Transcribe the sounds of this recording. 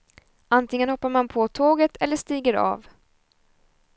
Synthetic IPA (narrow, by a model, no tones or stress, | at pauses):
ʔant̪ʰɪŋənhɔpːaɾmanpʰot̪ʰoːɡət̪ʰɛlːəʂt̪iːɡəɾɑ̰ːv